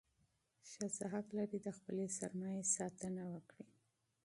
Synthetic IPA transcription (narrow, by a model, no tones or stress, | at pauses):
ʃazaɦaklaɾid̪əxpəlesaɾmɑjesɑt̪ənawəkɽi